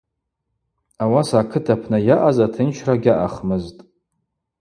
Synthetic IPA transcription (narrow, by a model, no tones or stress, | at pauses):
awasakʰɨtʰapʰnajaʔazatʰɨnt͡ʃʰraɡʲaʔaχmɨztʼ